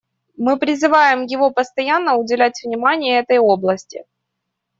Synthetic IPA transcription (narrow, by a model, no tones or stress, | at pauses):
mɨpɾʲɪzɨvajɪmjɪvo̞pəst̪ɐjanːəʊdʲɪlʲætʲvnʲɪmanʲɪjəɛt̪əjo̞blˠəsʲtʲɪ̰